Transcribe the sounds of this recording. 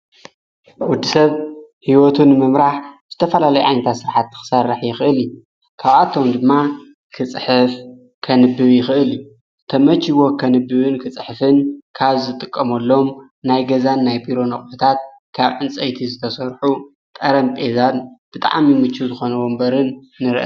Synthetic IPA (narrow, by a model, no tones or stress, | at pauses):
wʊd̪ːisɐβhiwot̪ʰunɨmɨmɾaħz̥ɨt̪ʰɐfɐlalɐjuʕa̰jnɐt̪ʰasɨɾħat̪ːɨ̥xɨ̥sɐrːɨħjɪxɨʔɨl | kʰaβʔat̪ʰːo̞md̪ɨmːa | kʰɨt͡sʼħɨf | kʰɐnɨbːɨβjɪxɨʔɨlu | t̪ʰɐmɐt͡ʃiwo̞kʰɐnɨbːɨβɨnkʰɨt͡sʼɨħɨfɨnkʰaβzɨt̪ʼɨkʼːɐmɐlːo̞m | najɡɐzanːajbiɾo̞nɐχʼbɨt̪ʰat̪̚ | kʰaβʕɨnt͡sʼɐjt̪ʰizɨt̪ʰɐsɐɾħu | t̪ʼɐɾɐmtʼezanb̥ɨt̪ʼa̰ʕmimɨt͡ʃʰːuzɨxo̞nɐwombɐɾɨnː | ɨɾɨʔɐ̰